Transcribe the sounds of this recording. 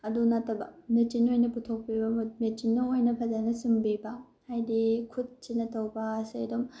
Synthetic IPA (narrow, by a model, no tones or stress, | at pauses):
ɐdunatɐbɐnɯtinojnɐputʰok̚pibɐmumet͡ʃinːɐojnɐpʰɐzanɐsimbibɐ | hajdikʰud̚t͡ʃinɐtʰɐwbɐːsedom